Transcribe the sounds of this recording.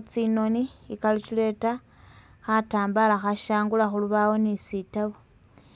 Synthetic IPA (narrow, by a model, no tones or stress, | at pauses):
t͡sino̞niikalit͡ʃile̞ta | xataːmbalaxaʃaːŋɡulaxuluβawo̞nisitaβo